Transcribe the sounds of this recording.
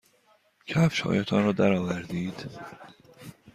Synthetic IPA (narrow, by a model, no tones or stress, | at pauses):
cʰæfʃhɒ̰ːjæt̪ʰɒnɾɒːd̪æɾɒːvæɾd̪iːd̪̥